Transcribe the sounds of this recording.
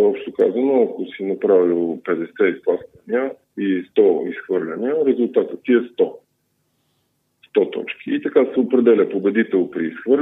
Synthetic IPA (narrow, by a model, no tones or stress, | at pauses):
ɔpʃt̪okazɐnoɐkosinɐpɾavilˠpɛd̪ɛsɛisplˠast̪vɐniə | ist̪ɔisxvɤɾlʲɐniəɾɛzulˠt̪at̪ət̪ːiɛst̪ɔ | st̪ɔt̪ɔ̰t͡ʃkiːt̪ɐkasɛopɾɛd̪ɛlʲəpobɛd̪it̪ɛlˠpɾiːsxvɤɾ